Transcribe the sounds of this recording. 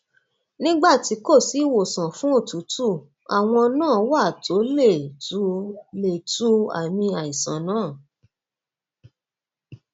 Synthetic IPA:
nĩ˦ɡ͡ba˦˨ti˨˧˦ko˦˨si˨˦˨wo˨sã˨fũ˦o˦˨tu˨˦tu˦˨ | a̰˨w̃ɔ̃˧nãː˦˨˦wa˦˨tʰo˨˦le˦˨tu˨˦le˨tu˦a̰˨mĩ˧a˨i˨sã̰˨nãː˦˨

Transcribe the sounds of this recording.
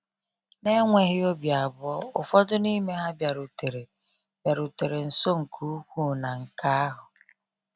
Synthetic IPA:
ne˦ŋʷe˨ɣɪ˦o˦bja˨bʊ˦ɔ˦ʊ˨fɔ˦dʊ˦ni˦me˦ɦa˦bja˨ɾu˨te˨ɾe˨ | bja˨ɾu˨te˨ɾe˨n̩˨so˦ŋ̩˨kʰu˦u˦kʷu˦na˨ŋ̩˨ka˦a˦ɦʊ˨

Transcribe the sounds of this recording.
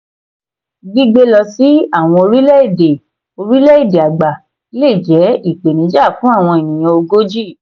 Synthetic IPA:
ɡi˦ɡ͡be˧lɔ˧si˨˦a˦˨w̃ɔ̃˧o˧ɾi˦lɛ˦i˦˨de˨ | o˧ɾi˦lɛ˦i˦˨de˨a˨ɡ͡ba˨˦ | le˦˨d͡ʒɛ˨˦i˦˨k͡pe˨nĩ˨˦d͡ʒa˦˨fũ˨˦a˦˨w̃ɔ̃˧e˨nĩ˨j̃ɔ̃˧o˧ɡo˦d͡ʒi˦˨

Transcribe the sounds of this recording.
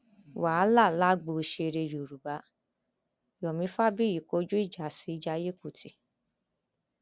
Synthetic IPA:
wa˨˦la˦˨la˦ɡ͡bo˧˨˧ʃe˧ɾe˧jo˨ɾu˨ba˨˦ | jɔ˨mĩ˧˦fa˦bi˦ji˨ko˨˧˦d͡ʒu˦i˦˨d͡ʒa˨˦si˨˧˦d͡ʒa˧˦je˦ku˦˨ti˧

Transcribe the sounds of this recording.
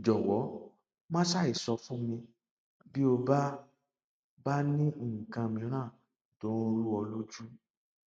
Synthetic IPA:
d͡ʒɔ˨wɔ˨˦ | mã˦ʃa˦˨i˨sɔ˧fũ˦mĩ˧ | bi˦o˧ba˦ | ba˦nĩ˦˨ŋ̩˨kã˧mĩ˧˦ɾ̃ãː˦˨ | do˨˦˧ɾu˦ɔ˧lo˦d͡ʒu˦

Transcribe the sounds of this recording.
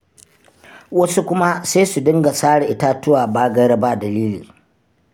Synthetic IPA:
wɐ˦su˦kʷʊ˦ma˦seː˦su˨dʊ˦ŋɡa˨saː˦ɽʔɪ˦ta˦tʊ˦waː˨baː˦ɡɐ˦ɾa˦ba˦˨dɐ˨liː˦liː˨

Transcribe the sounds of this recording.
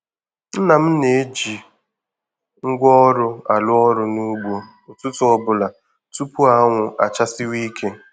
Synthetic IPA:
n̩˦na˨m̩˦ne˨e˦d͡ʒi˨ | ŋ̩˦ɡʷɔ˦ɾʊ˦a̰˨lʊ˦ɔ˦ɾʊ˨nu˦ɡ͡bʷo˨ | ʊ˨tʊ˦tʊ˦ɔ˦bʊ˨la˨ | tu˦pu˦a˦ŋʷʊ˨ʔa̰˨t͡ʃa˦sɪ˦wi˦kʰe˦

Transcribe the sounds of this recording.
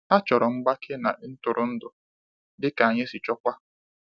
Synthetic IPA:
a˦t͡ʃɔ˨ɾɔ˨ŋ͡m̩˦ɡ͡ba˦kʰe˦na̰˨˦n̩˦tʊ˨ɾʊ˨n̩˦dʊ˨ | dɪ˦ka˨a˨ɲe˦si˨t͡ʃɔ˦kʷa˦

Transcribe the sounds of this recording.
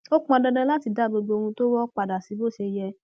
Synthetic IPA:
o˦k͡pɔ˧dɛ̃˧dɛ̃˧˦la˦ti˧da˨˦˨bo˧ɡ͡bo˧o˧ũ˧to˦wɔ˦k͡pa˨da˨si˨˦bo˦˨ʃe˧jɛ˧

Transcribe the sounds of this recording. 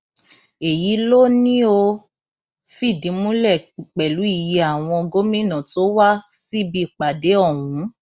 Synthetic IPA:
e˨ji˨˦lo˦nĩ˦o˧ | fi˦˨dĩ˨˦mũ˦lɛ˦˨k͡pɛ˨lu˨˦i˦˨ji˨˧˦a˨w̃ɔ̃˧ɔ˧ɡo˦mĩ˦nã˨to˨˦wa˦si˦bi˧˦˨k͡pa˨de˨˦ɔ˦˨wũ˨˦

